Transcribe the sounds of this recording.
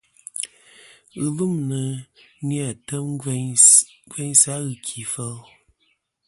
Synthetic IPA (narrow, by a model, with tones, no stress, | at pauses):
ɣɨ˨lu˦mnə˨nja˦˨tə˦m˦ | ɡwɛ˦ɲsa˦ɣɨ˨kʰi˨fə˦l